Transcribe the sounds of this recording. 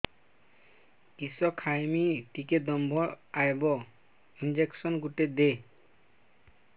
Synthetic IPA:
isɔkʰajmiʈiked̪ɔmbʱɔajbɔ | ind͡ʑeksɔnɡuʈed̪e

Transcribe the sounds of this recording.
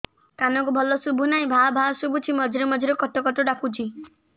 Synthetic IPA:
kanɔk̬ubʱɔlɔsubʱunaĩbʱabʱasubʱut͡ʃʰimɔd͡ʒʱɾemɔd͡ʒʱɾekɔʈɔkɔʈɔɖakut͡ʃʰi

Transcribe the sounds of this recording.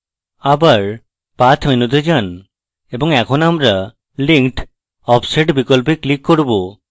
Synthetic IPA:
abaɾ | pat̪ʰminud̪ed͡ʑan | eboŋɛkʰonamɾa | liŋʈ | ɔpseʈbikolpeklikːoɾbo

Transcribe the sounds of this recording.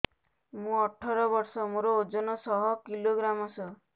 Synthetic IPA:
mũɔʈʰɔɾɔbɔɾsɔmoɾood͡ʒɔnɔsɔɦɔkiloɡɾamɔsɔ

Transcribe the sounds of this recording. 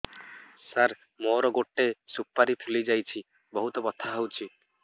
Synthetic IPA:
saɾ | moɾɔɡoʈːesupːaɾipʰulid͡ʒajt͡ʃʰi | bɔɦut̪ɔbɔt̪ʰaɦowt͡ʃʰi

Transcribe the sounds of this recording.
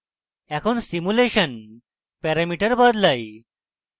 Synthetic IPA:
ɛkʰoːnsimuleɕən | pɛɾamiʈəɾbəd̪ləj

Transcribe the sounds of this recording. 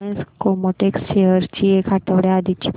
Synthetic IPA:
ẽnskomoʈeksʃeəɾt͡ɕiekʰaʈ̪əʋɽead̪it͡ɕi̥p

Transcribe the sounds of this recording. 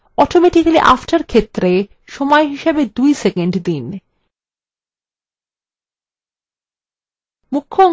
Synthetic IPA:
ɔʈomeʈikaliʔa̰fʈaɾkʰet̪ːɾe | ʃɔmɔeɦiʃebed̪ujsekeɳɖd̪in | mukʰːoɔ

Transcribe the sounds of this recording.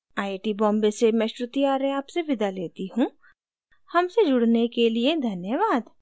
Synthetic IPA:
aːiʈibɔ̃ːmbesemɛ̃ʃɾʊt̪iaːɾẽaːpseʋɪd̪aleːt̪iɦũ | hɐmsed͡ʒʊɽnekelied̪ʱɐnjəʋaːd̪

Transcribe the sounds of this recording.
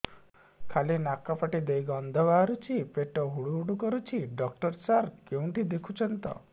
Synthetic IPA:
kʰalinakapaʈid̪ejɡɔnd̪ʱɔbaːɾut͡ʃʰipeʈɔɦuɽuɦuɽukɔɾut͡ʃʰiɖɔk̚ʈɔɾsaɾkew̃ɳʈid̪ekʰut͡ʃʰɔnt̪ɔ̰

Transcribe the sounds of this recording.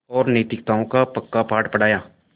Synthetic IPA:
ɔːɾnəːt̪ɪkt̪aːõkapəkːapʰaːʈpəɽ̤aːjaː

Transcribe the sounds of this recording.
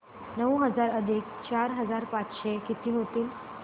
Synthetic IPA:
nəwɦəd͡zaɾəd̪ʱik | t͡ɕaɾɦəd͡zaɾpat͡sɕekit̪iːɦot̪iːl

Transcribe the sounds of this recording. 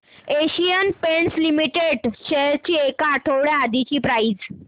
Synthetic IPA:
eɕijənpeɳslimiʈeɖɕeɦɾt͡ɕiːekaːʈʰəwɽjead̪it͡ɕiːpɾaid͡z

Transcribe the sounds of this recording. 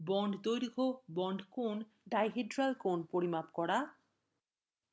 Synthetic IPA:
bɔɳɖʱd̪ojɾɡʱobɔɳɖʱkon | ɖajɦeɖɾalkonpoɾimapkɔɽa

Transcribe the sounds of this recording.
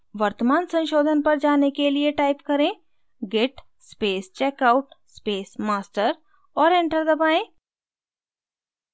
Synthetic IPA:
ʋɐɾt̪əmaːnsɐ̃nʃoːd̪ʱənpɐɾd͡ʒaːnekelieʈaːɪpkɐɾẽː | ɡeʈ | speːst͡ʃɛːkaːʊʈspeːsmaːsʈəɾ | ɔːɾẽɳʈəɾd̪ɐbaːẽː

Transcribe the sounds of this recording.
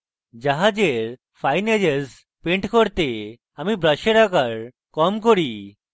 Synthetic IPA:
d͡ʑaɦad͡ʑeɾ | fajned͡ʑeɾs | peɳʈkɔɾt̪e | amibɾəɕeɾakaɾ | kɔmkɔɾi

